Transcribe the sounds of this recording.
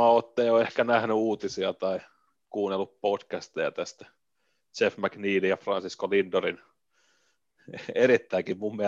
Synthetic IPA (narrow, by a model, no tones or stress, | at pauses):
ɑot̪ːejoehkænæhnyuːt̪isiɑt̪ɑi | kuːnelːuppotkæst̪ejɑ̰t̪æst̪æ̥ | sefmækniːlijɑfrɑnsiskolind̪orin | eeɾit̪ːæikimmummiæ